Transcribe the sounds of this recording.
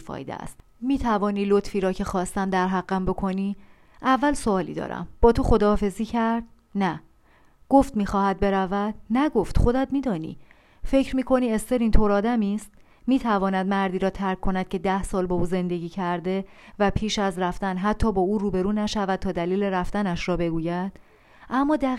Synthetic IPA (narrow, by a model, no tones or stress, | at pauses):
fɒ̰ːjd̪ḛæ̰st̪ | miːt̪ʰævɒːniːlot̪ʰfiːɾɒːcʰe̞xɒːst̪æmd̪æɾɦæɣːæmbo̞kʰo̞niː | ʔævːælsoɒːlḭd̪ɒ̰ːɾæ̰mb̥ɒːt̪ʰoxo̞d̪ɒːfe̞ziːcʰæɾd̪̥̚ | næ | ɡ̥o̞ft̪miːxɒːhæd̪̚be̞ɾævæd̪̥̚næɡoft̪χo̞d̪æd̪miːd̪ɒːnḭː | fe̞cʰɾmiːkʰo̞niːest̪eɾiːnt̪ʰoɾɒːd̪æmiːst̪ | miːt̪ʰævɒːnæd̪mæɾd̪iːɾɒːt̪ʰæɾkʰːo̞næd̪̥̚cʰe̞d̪æhsɒːlbɒːuːze̞nd̪e̞ɟʲiːcʰæɾd̪e̞væpʰiːʃæzɾæft̪ænɦæt̪ʰːɒːbɒːuːɾuːbe̞ɾuːnæʃævæd̪̥̚t̪ʰɒːd̪æliːle̞ɾæft̪ænæʃɾɒːbe̞ɡuːjæd̪̥ | ʔæmːɒːd̪æ